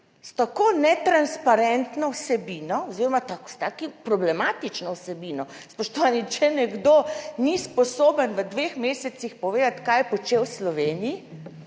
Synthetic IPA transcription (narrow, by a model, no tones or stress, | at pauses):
st̪akoːnɛt̪ɾanspaɾɛnt̪nɔwsɛbiːnɔɔziɾɔmat̪akst̪aːkipɾɔblɛmaːt̪it͡ʃnɔwsɛbinɔ | spɔʃt̪ɔʋanit͡ʃɛnɛɡd̪onispɔsoːbənʋəd̪ʋexmeːsɛt̪sixpɔʋeːd̪at̪kajɛpɔt͡ʃewslɔʋeːniji